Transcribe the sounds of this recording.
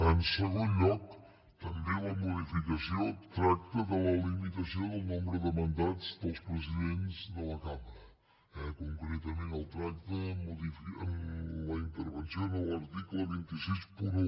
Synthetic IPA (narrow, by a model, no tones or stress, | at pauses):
ənsəɣonʎɔk | t̪əmbeləmuðifikəsiot̪ɾak̚t̪əðələlimit̪əsioðəlˠnombɾəðəmənd̪ad͡zd̪əlˠspɾəziðenzðələkaməɾə | ɛkuŋkɾet̪əmenəlˠt̪ɾak̚t̪əmuðifiələint̪əɾβənsioðələɾt̪ikləβ̞int̪isispuɾ